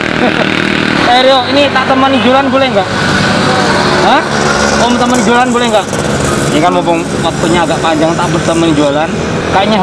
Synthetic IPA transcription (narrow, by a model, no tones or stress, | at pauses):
eɾioinit̪at̪əmanid͡ʒalanbolɛhŋɡaʔ | ɦə | momət̪əmanid͡ʒualanbolɛhŋɡaʔ | jakanmopʊŋ | wak̚t̪oɲaːɡaʔpaɲd͡ʒaŋt̪aʔbərt̪əmənid͡ʒualan | kaiɲa